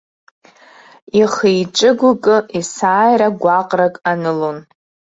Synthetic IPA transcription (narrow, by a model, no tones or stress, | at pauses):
iχejʈ͡ʂʼɨɡʷʊkʼɨʔisaːjɾaɡʷaqʼrakʼanɨlon